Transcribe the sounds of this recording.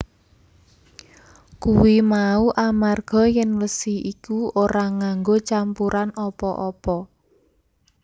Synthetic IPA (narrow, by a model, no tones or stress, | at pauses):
kuwimauʔamarɡ̥ɔ̤jɛnləsihikuoɾaŋaŋɡot͡ʃampuɾanɔpɔʔɔpɔ